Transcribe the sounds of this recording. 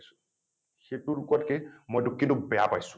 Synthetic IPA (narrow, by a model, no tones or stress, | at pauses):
su̥ | xetuɾkɔtkemojdukːindubɛja̰pajsu̥